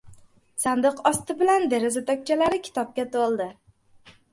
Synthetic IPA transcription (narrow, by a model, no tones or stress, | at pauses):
sand̪ɨqɒst̪ʰɪbɪland̪e̞ɾɪzat̪ʰɒk̚ʲt͡ʃʰalaɾɪkʲʰɪ̥t̪ʰɒp̚kʲat̪ʰolˠd̪ɪ